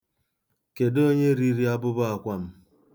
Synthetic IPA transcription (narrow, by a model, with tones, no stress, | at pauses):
ke˨do˦ɲe˦ɾi˦ɾi˦a˦bʊ˦bʊ˦a˨kʷa˦m̩˦